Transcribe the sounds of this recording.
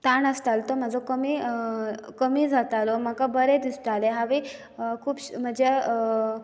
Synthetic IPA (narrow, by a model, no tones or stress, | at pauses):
t̪aɳəst̪alt̪om̤əd͡zokəmi | kəmiːd͡zʱat̪alom̤akabəɾed̪ist̪aleɦaʋi | kʰuːpɕm̤əd͡ʑe